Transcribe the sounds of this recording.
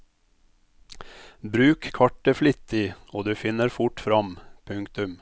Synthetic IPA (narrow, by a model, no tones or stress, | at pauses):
bɾʉːkkʰɑʈːəflɪt̪ːɪoːd̪ʉːfɪnːəɾfʊʈfɾɑmpʰʉŋkt̪ʉm